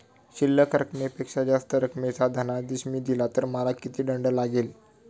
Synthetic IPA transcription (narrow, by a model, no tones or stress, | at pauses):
ɕilːəkəɾəkmepekʂad͡zast̪əɾəkmet͡sad̪ʱənad̪iɕmiːd̪ilat̪əɾməlakit̪iːɖəɳɖəlaɡel